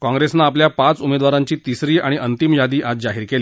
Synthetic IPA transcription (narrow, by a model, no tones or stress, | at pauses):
kɔ̃ŋɡɾesnaːpljapat͡sumed̪ʋaɾãɲt͡ɕiːt̪isɾiːaɽ̃iʔənt̪imjad̪iːʔat͡sd͡zaɦiːɾkeli